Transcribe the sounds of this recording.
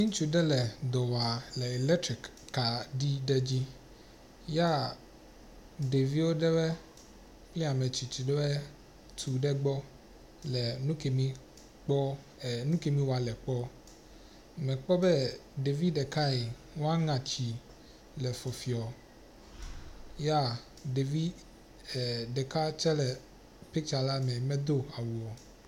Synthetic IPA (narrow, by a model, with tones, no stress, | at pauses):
ɲĩ˦t͡ʃu˦ɖɛ˦lɛ˨d̪ɔ˨wa˨lɛ˨e˨lɛ˦tɾi˨kː | a˨ɖi˦ɖɛ˦d͡ʑi˦ | ja˦ | ɖe˨vi˦wo˦ɖɛ˦wɛ˦ | k͡pli˦a˨mɛ̃˨t͡ɕi˨t͡ʃi˨ɖɛ˦wɛ˦ | t̪ʰu˨ɖɛ˦ɡ͡bɔ˦ | lɛ˨nũ˦ke˨mĩ˦ | k͡pɔ˦˨ | nũ˦ke˨mĩ˦wo˨a˨lɛ˨k͡pɔ˦ | mɛ̃˨k͡pɔ˦bɛ˦ɖe˨vi˦ɖɛ˨ka˦e˨ | wo˦a˦ŋã˨t͡ɕi˨ | lɛ˨fɔ˨fi˨ɔ˨ | ja˦ | ɖe˨vi˦˨ | ɖɛ˨ka˦t͡ʃɛ˦lɛ˨ | pe˦t͡ʃa˨la˦mɛ̃˨mɛ̃˨d̪o˦a˨wu˨ɔ˨